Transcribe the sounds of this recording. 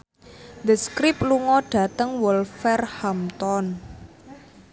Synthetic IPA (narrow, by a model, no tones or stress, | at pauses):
d̪əskɾipluŋɔɖ̥ä̤t̪əŋwɔlfɛrhamt̪ɔn